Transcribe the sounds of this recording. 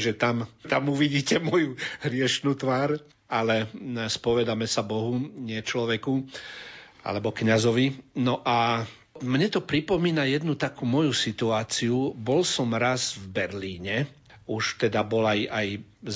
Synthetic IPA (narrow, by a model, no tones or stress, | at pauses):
ʒɛt̪amt̪amuʋiɟiːcɛmɔjuɦɾɪɛʃnuːt̪ʋaːɾ | alɛspɔʋɛd̪amɛsabɔɦuɲɪɛt͡ʃlɔʋɛku | a̰lɛbɔkɲazɔʋinɔʔa | mɲɛt̪ɔpɾipɔmiːnajɛd̪nut̪akuːmɔjusit̪uaːt͡siubɔlsɔmɾazvbɛɾliːɲɛ | uʃt̪ɛd̪abɔlajaj